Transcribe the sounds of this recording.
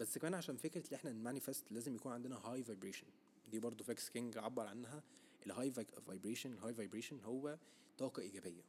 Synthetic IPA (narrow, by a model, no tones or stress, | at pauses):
bæsːkæmæːnʕaʃæːnfekɾelːiʔeħnæʔnmænifæst̪læːzemjækuːnʕand̪enæhɑjvɑjbɾeːʃon | d̪iːbɑɾˤd̪ˤofekskeŋɡʕabːɑɾˤʕanːɦæ | ʔelhɑjvɑ̰jbɾeːʃonelhɑːjvɑjbɾeːʃenhowːæ | t̪ˤɑːqɑʔiːɡæːbejːæ